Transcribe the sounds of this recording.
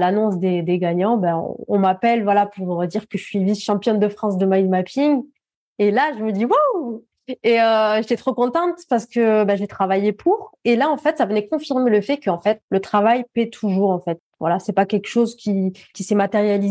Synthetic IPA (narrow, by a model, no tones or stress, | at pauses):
lanɔ̃sd̪ed̪eɡaɲɑ̃baɔ̰̃ɔ̃mapɛlvwalapuʁəd̪iʁkəʒəsɥiviʃɑ̃pjɔnd̪əfχɑ̃s̬d̪əmajzmapiŋ | elaʒəməd̪iwow | eøʒet̪ɛt̪χokɔ̃t̪ɑ̃t̪paʁsə̥kəbaʒet̪χavajepʰuʁelaɑ̃fɛt̪savənɛkɔ̃fiʁmeləfɛkəɑ̃fɛt̪̚lət̪χavajpɛt̪ʰuʒuʁɑ̃fɛt̪̚vwalasɛpakʲɛlkʃozkʲikʲisɛmat̪eʁjali